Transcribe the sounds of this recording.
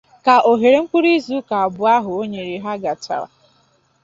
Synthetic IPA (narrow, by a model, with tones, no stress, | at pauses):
ka˨ʔo˨ɦe˨ɾe˦ŋ͡m̩˦kʷu˦ɾi˦zu˦ka˨a˨bʊ˨a˦ɦʊ˨o˦ɲe˨ɾi˨ɦa˦ɡa˨ta̰˨wa̰˨